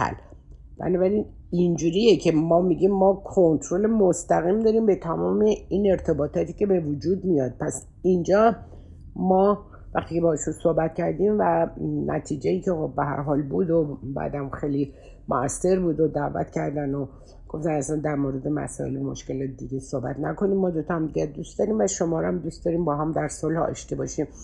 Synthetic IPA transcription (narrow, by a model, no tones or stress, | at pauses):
hæ̰l | b̥æ̰nɒːbæɾin | ind͡ʒuːɾijecʰe̞mɒːmiɟʲiːmːɒːkʰont̪ʰɾolemost̪æɣimd̪ɒːɾiːmbe̞t̪ʰæmɒːme̞ine̞ɾt̪ʰe̞bɒːt̪ʰɒːt̪ʰiːce̞be̞vod͡ʒuːd̪mijɒːd̪̚pʰæs | ind͡ʒɒː | mɒː | væxt̪ʰiːcʰebɒːeʃunso̞hbæt̪̚cæɾd̪iːmvænʔæ̰t̪ʰiːd͡ʒejiːcʰexobːeɦæ̰ɾɦɒːlbuːd̪obæ̰d̪æmxejli | moæsːe̞ɾbuːd̪od̪ævæ̰t̪cʰæɾd̪æno | ɡ̥o̞ft̪ænæsænd̪æɾmoːɾe̞d̪emæ̰sɒ̰ḛlmo̞̰ʃke̞lɒt̪d̪iɟesohbæ̰t̪ʰnækʰo̞nimmːɒːd̪ot̪ʰɒæmd̪iɡæt̪̚d̪ust̪d̪ɒːɾimvæʃo̞mɒːɾæmd̪ust̪̚d̪ɒːɾiːmbɒːɦæmd̪æɾsolhɒ̰ʃt̪ebɒːʃim